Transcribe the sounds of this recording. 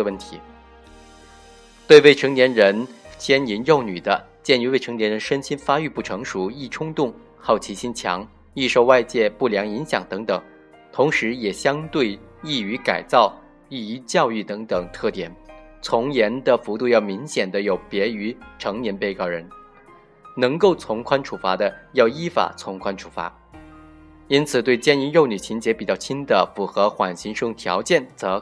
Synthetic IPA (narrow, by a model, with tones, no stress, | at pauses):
wə˥˩nt̪ʰi˧˥ | t̪we˥˧ɪwe˥˩ɪʈ͡ʂʰɤ˧˥ŋnjɛ˧˥nɻə˧˥nt͡ɕʰjɛ˥ni˧˥njo˥˩ʊny˨˩d̪ə̰˦t͡ɕjɛ˥˩ny˧˥we˥˩ɪʈ͡ʂʰɤ˧˥ŋnjɛ˧˥nɻə˧˥nʂə˥nt͡ɕʰi˥nfa˥y˥˧pu˥˩ʈ͡ʂʰɤ˧˥ŋʂu˧˥i˥˩ʈ͡ʂʰʊ˥ŋt̪ʊ˥˩ŋ | xɑ˥˩ʊt͡ɕʰi˧˥ɕi˥nt͡ɕʰjɑ̰˧˥ŋ | i˥˧ʂo˥˧ʊwa˥˧ɪt͡ɕjɛ˥˧pu˥˩ljɑ˧˥ŋi˧˥ŋɕjɑ̰˨˩ŋt̪ɤ˧˥ŋt̪ɤ˨˩˦ŋ | t̪ʰʊ˧˥ŋʂɻ̩˧˥jɛ˨˩ɕjɑ˥ŋt̪we˥˧ɪi˥˩y˧˥ka˨˩ɪt͡sɑ˥˩ʊ | i˥˩i˧˥t͡ɕjɑ˥˧ʊy˥˩t̪ɤ˧˥ŋt̪ɤ˨˩ŋt̪ʰɤ˥˩t̪jɛ˨˩˦n | t͡sʰʊ˧˥ŋjɛ˧˥nd̪ə˨fu˧˥t̪u˥˧jɑ˥˩ʊmi˧˥ŋɕjɛ˨˩nd̪ə˦jo˨˩ʊpjɛ˧˥y˧˥ʈ͡ʂʰɤ˧˥ŋnjɛ˧˥npe˥˧ɪkɑ˥˩ʊɻə˧˥n | nɤ˧˥ŋko˥˩ʊt͡sʰʊ˧˥ŋkʰwa˥nʈ͡ʂʰu˨˩fa˧˥d̪ə˧jɑ˥˩ʊi˥fa̰˨˩t͡sʰʊ˧˥ŋkʰwa˥nʈ͡ʂʰu̥˨˩fa̰˧˥ | i˥nt͡sʰɹ̩˨˩t̪we˥˩ɪt͡ɕjɛ˥ni˧˥ɻo˥˩ʊny˨˩t͡ɕʰi˧˥nt͡ɕjɛ˧˥pi˨˩t͡ɕjɑ˥˩ʊt͡ɕʰi˥nd̪ə˨fu˧˩xɤ˧˥xwa˨˩nɕi˧˥ŋʂʊ˥ŋt̪ʰjɑ̰˧˥ʊt͡ɕjɛ˥˩nt͡sɤ˧˥